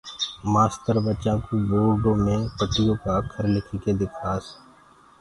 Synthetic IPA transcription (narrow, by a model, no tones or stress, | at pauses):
maːst̪əɾbət͡ʃãːkuːboːɾɖõːmẽːpəʈːɪjõːkaːkʰəɾlɪkʰiːkeːd̪ɪkʰaːs